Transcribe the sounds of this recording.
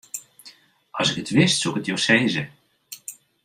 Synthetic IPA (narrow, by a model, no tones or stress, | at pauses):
ɑ̰sɪkətʋɪstsukətjowsejzə